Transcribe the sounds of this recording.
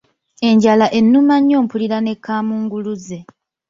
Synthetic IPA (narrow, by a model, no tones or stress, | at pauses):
e̞ɲɟalaʔe̞nːumaɲːo̞ːmpuliɾane̞kʰːaːmuːŋɡuluze̞